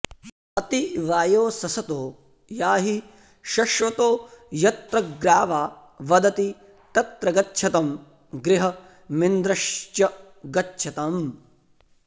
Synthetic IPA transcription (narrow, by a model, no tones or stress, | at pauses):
ɐt̪iʋaːjoːsɐsɐt̪oː | jaːɦi | ʃɐʃʋɐt̪oːjɐt̪ɾɐɡɾaːʋaː | ʋɐd̪ɐt̪i | t̪ɐt̪ɾɐɡɐtːʃʰɐt̪ɐm | ɡɾɪɦɐ | mind̪ɾɐʃt͡ʃɐ | ɡɐtːʃʰɐt̪ɐm